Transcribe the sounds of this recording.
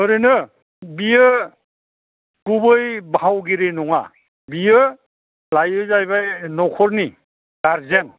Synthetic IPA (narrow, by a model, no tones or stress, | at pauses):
hɯɾinɯ | bijɯ | kubɯjbʱawɡiɾenɔŋa̰ | bijɯ | lajɯzajbajnɔkʰɔɾni | ɡ̥aɾzen